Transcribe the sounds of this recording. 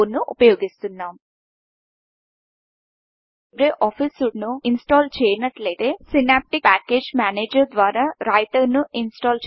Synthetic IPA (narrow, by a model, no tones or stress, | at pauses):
nuʔupɐjoːɡist̪unːaːm | bɾeʔɔːpʰisuɽnuinsʈaːlt͡ʃɛːjnɐʈlet̪eːsinaːp̚ʈipaːkeːd͡ʒmaːneːd͡ʒɐɾd̪ʋaːɾaːɾaːjʈ̪ɐnuʔinsʈaːlt͡ʃ